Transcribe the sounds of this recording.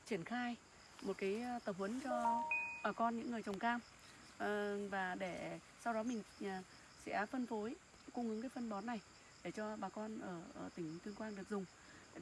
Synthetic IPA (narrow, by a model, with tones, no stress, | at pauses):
t͡ɕi˧˩ənxaː˧j | mo˨˩t̚kaː˨˦jt̪ə˨˩p̚hwə˨˦nt͡ɕɔ˧ɓaː˨˩kɔ˧nɲɨ̰˧˥ŋːɨ˨˩əjt͡ɕə˨˩wŋ͡mkaː˧m˨ | vaː˨˩ɗe˧˩ | sa˧wɗɔ˨˦mï˨˩ŋ̟˨˩ | sɛ̰˧˥fə˧nfo˨˦j | ko˧ŋ͡mŋɨ˨˦ŋkaː˨˦jfə˧nɓɔ˨˦nːa˨˩j | ɗe˧˩t͡ɕɔ˧ɓaː˨˩kɔ˧nʔəː˧˩˧t̪ï˧˩ŋ̟t̪wi˧ənkwaː˧nɗɨ˨˩ək̚zʊ˨˩ŋ͡m